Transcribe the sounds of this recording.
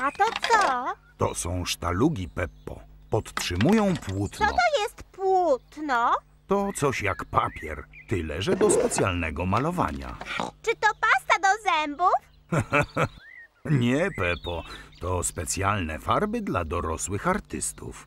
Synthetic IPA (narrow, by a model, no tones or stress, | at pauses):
at̪ɔt̪sɔ | t̪ɔsɔ̃w̃ʂt̪aluɡʲipɛpːɔ̰pɔt̪tʂɘmujɔ̃w̃pwut̪nɔɔ̰t̪ɔjɛst̪pwut̪nɔ | t̪ɔt̪sɔɕjakpapʲjɛ̰ɾt̪ɘlɛʐɛd̪ɔspɛt̪sʲjalnɛɡɔmalɔva̰ɲa̰t͡ʂɘt̪ɔpast̪ad̪ɔzɛmbuf | ɲɛpɛpɔt̪ɔspɛt̪sʲjalnɛfaɾbɘd̪lad̪ɔɾɔswɘxaɾt̪ɘst̪ṵf